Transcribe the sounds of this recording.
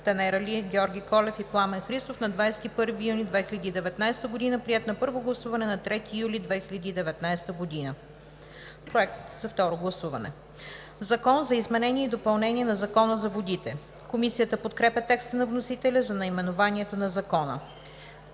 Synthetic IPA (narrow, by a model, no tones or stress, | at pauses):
t̪ɐnɛɾɐliɡʲɔɾɡʲikɔlɛfiplˠamɛnxɾist̪ofnɐd̪vajsɛ̥t̪ipɤɾvijunid̪vɛxilʲɐd̪id̪ɛvɛt̪najst̪əɡod̪inəpɾiɛt̪nɐpɤɾvoɡlˠɐsuvɐnɛnɐt̪ɾɛt̪ijulʲid̪vɛxiʎʲɐd̪iːd̪ɛvɛt̪najst̪əɡod̪inə | pɾoɛk̚t̪zɐft̪ɔɾoɡlˠɐsuvɐ̰nɛ̰ | zɐkɔnzɐizmɛnɛniɛid̪opɐlˠnɛniɛnɐzɐkɔnəzɐvod̪it̪ɛ | komisijət̪əpot̪kɾɛpʲɐt̪ɛkst̪ənɐvnosit̪ɛlʲɐzɐnɐimɛnovaniɛt̪onɐzɐkɔnə̰